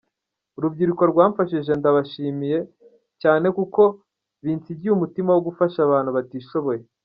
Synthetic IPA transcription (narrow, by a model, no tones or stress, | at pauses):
uɾubɟiɾukwaɾɡwaːɱfaʃiʒe̞ndaβaʃiːmije̞ | caːne̞kuko̞ | βiːnt͡siɟiumutimawo̞ɡufaʃaβaːnhuβatiːʃo̞βo̞je̞